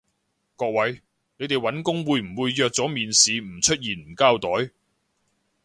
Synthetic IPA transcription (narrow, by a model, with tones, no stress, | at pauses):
kɔː˧k̚wɐ˨˥j | ne˨˧jt̪e˨jwɐ˨˥nkʊ˥ŋwuː˨˧jm̩˨˩wuː˨˧jːœː˨˧k̚t͡sɔː˨˥miː˨nsiː˨˧m̩˨˩t͡ʃʰɵ˥t̚jiː˨˩nm̩˨˩kaː˥wt̪ɔː˨˥j